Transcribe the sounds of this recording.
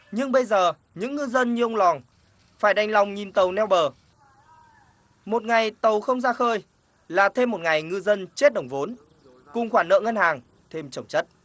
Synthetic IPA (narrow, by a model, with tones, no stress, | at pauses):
ɲɨ˧ŋɓə˧jzəː˨˩ | ɲɨ̰˧˥ŋːɨ˧zə˧nɲɨ˧ʔə˧wŋ͡mlɔ˨˩ŋ | faː˧˩jɗa˨˧˩jŋ̟la˨˩wŋ͡mɲi˨˩nt̪ə˨˩wnɛ˧wɓəː˨˩ | mo˨˩t̚ŋa˨˩jt̪ə˨˩wxə˧wŋ͡mzaː˧xəː˧j | laː˨˩t̪ʰe˧mːo˨˩t̚ŋa˨˩jŋɨ˧zə˧nt͡ɕe˦˥t̚ɗə˨˩wŋ͡mvo˨˦n | kʊ˨˩ŋ͡mxwaː˧˩nə̰ː˧˨ŋə˧nhaː˨˩ŋ | t̪ʰe˧mt͡ɕə˧˩wŋ͡mt͡ɕə˦˥t̚